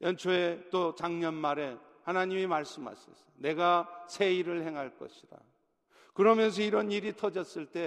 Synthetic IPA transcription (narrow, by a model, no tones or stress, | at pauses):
jʌnt͡ɕʰoet͈ot͡ɕaŋɲʌnmaɾe̞ | hanaɲimimaɭs͈ɯmɦa̰ɕʰʌs͈ʌ̥ne̞ɡasʰe̞iɾɯɭhe̞ŋɦaɭk͈ʌ̰ɕʰiɾa̰ | kɯɾʌmjʌns̬ʰʌiɾʌniɾitʰʌd͡ʑʌs͈ɯɭt͈e̞